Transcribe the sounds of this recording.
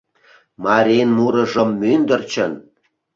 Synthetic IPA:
mɑɾʲenmuɾɤ̆ʒəmːynd̪ə̆rt͡ɕə̰n

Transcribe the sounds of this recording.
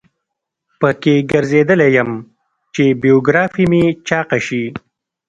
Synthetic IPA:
pəkeɡəɾzed̪əlejəm | t͡ʃebijoɡɾɑfimit͡ʃɑːqaʃi

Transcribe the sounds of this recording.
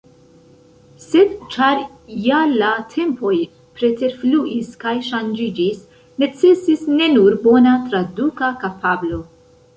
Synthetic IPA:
se̞d̪t͡ʃaɾjalatʰe̞mpo̞j | pɾe̞te̞ɾfluʔiskajʃand͡ʒid͡ʒis | ne̞t͡se̞sisne̞nuɾbo̞nat̪ɾadukakapʰablo̞

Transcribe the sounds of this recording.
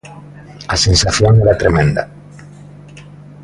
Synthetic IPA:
asẽnsaθjoŋeɾat̪ɾemẽnd̪a̰

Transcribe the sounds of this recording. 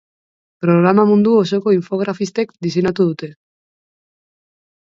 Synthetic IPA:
pɾo̞ɣɾamamund̪uoso̞ko̞iɱfo̞ɣ̞ɾafist̪e̞kd̪is̬ejnat̪uð̞ut̪e̞

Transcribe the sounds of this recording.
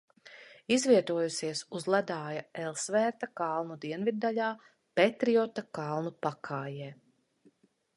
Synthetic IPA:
izviɛt̪uɔjusiɛsuzlˠad̪aːjaɛlˠsvɛːɾt̪akalˠnud̪iɛnvid̪̚ːaʎʲaː | pet̪ɾiɔt̪akalˠnupakʰaːjɛː

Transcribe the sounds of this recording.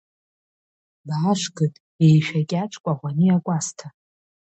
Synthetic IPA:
baːʃʷɡɨtʼ | ejʃᶣakʲʼaʈ͡ʂʰʼkʷʼaʁʷanɨakʷʼastʰa

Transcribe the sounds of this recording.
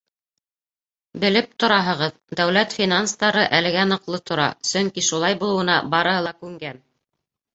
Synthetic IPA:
bɘ̆lɘp̚t̪ŏɾɑɦɤ̆ʁɤð | d̪æwlæt̪fʲinanst̪ɑɾɤʔælɘ̆ɡænɤ̆qlˠɤt̪ʰŏɾɑ̰sɵŋkiʃulˠɑjbulˠɤ̆wɤ̆nɑ̰bɑɾɤ̆hɤlˠɑkʉŋɡæn

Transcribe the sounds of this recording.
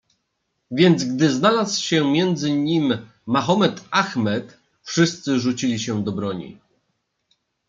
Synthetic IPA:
vʲjɛnd̪zɡd̪ɘznalaswɕɛmʲjɛnd̪zɘɲimː | axɔmɛt̪axmɛt̪ | fʂɘst̪sɘʐut͡ɕilʲiɕɛd̪ɔbɾɔɲḭ

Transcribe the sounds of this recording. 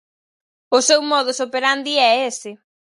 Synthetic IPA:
ʊsewmɔð̞ʊsopeɾand̪iɛesɪ

